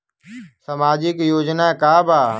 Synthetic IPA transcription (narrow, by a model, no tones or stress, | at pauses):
səmaːd͡ʒɪkjoːd͡ʒnaːkaːbaː